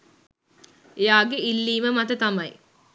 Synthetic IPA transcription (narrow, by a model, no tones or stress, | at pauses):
ejaːɡeilːiːməmɐt̪ət̪amɐj